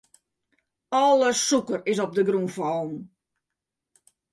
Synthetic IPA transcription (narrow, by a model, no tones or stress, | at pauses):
ɔlˠəsukərɪsɔp̚dəɡrufɔlˠn̩